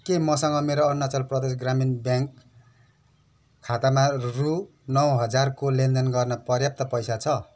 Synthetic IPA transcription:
kemʌsʌŋɡʌmeɾoʌnːat͡sʌlprʌd̪esɡraminbjaŋk | kʰːat̪amaru | nʌwɦʌd͡zarkolend̪ʱʌnɡʌrnʌpʌrjap̚t̪ʌpʌjsat͡sʰʌ

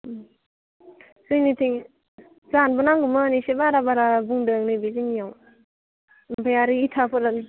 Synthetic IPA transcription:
sɯnitʰiŋ | zanbɯnaŋɡumanisebaɾabaɾabuŋdɯŋnibizinijaw | npʰajaɾiːtʰapʰɯɾan

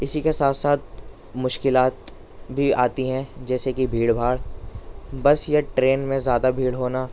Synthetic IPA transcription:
ɪsikesaːt̪saːt̪̚ | mʊʃkɪlaːt̪ | bʱiaːt̪iɦɛ̃d͡ʒɛːsekibʱiːɽbʱaːɽ | bɐsjaʈɾeːnmẽzjaːd̪abʱiːɽɦoːnaː

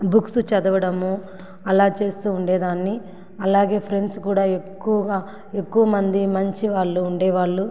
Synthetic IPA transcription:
buksut͡ʃɐd̪ɐʋɐɽɐmu | ɐlaːt͡ʃe̞ːst̪uːuɳɖeːd̪aːnːi | ɐlaːɡe̞ːpʰɾe̞ɳɖskuːɽaːekːuʋɐɡaː | e̞kːuʋɐmɐnd̪imɐɲt͡ʃiʋaːɭːuːɳɖeːʋaːɭːu

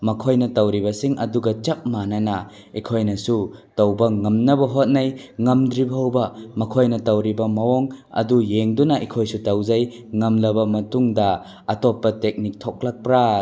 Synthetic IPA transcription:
mɐkʰojnɐtɐwɾibɐsiŋʔɐduɡɐt͡ʃɐp̚manɐnɐ | ikʰojnɐsutɐwbɐŋɐmnɐbɐɦot̚najŋɐmdɾibɐɦɐwbɐmɐkʰojnɐtɐwɾibɐmɐwɔŋɐ̰dujeŋdunɐʔikʰojsutɐwzaj | ŋɐmlɐbɐmɐtuŋdɐ | ɐtɔpːɐtek̚nik̚tʰɔk̚lak̚pɾa

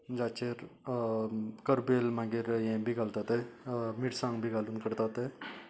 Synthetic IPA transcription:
d͡ʒaːt͡ʃeɾ | kəɾbeːlmãɡeɾjẽbʱiɡalt̪at̪emiʈsãŋbʱiɡalunkəɾt̪at̪e

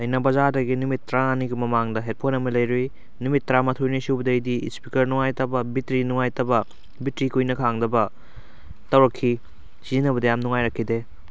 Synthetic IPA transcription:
ɐjnɐbɐzadɐɡinumitːɾaɐniɡimɐmaŋdɐɦet̚pʰonɐmɐlɐjɾuj | numitːɾamɐtʰojnisubɐdɐjdiispikɐɾnuŋajtɐbɐbitɾinuŋajtɐbɐ | bitɾikujnɐkʰaŋdɐbɐ | tɐwɾɐkʰːi | sizinɐbɐdɐjamnuŋajɾɐkʰːide

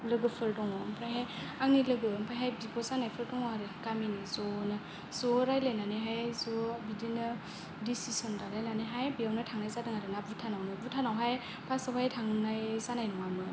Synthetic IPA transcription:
lɯɡɯpʰɯldɔŋɔmpʰɾajɦajaŋnilɯɡɯmpʰɾajɦajbibɔzanajpʰɯɾdɔŋɔaɾekaminizɔnɯ | zɔɾajlajnaneɦajzɔbidinɯ | disisɔndalajnaneɦajbiawnajtʰaŋnajzadɯŋaɾɯnabutʰanawnɯbutʰanawɦaj | pʰasɔwʰajtʰaŋnajzanajnɔŋamɯ

